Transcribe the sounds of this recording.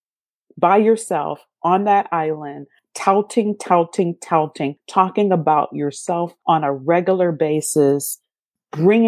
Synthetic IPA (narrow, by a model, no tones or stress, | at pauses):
b̥aɪjə˞sɛ̰lˠf | ʔə̃nðɨɾʔaɪlˠɨ̃n | tʰaʊtʰɪ̃ŋtʰaʊtʰɪ̃ŋtʰaʊtʰɪ̃ŋtʰɔkɪ̃ŋəbaʊt͡ʃə˞sɛlˠfə̃nəɹɛɡjl̩ˠə˞beɪsɨs | b̥ɹɪ̃ŋ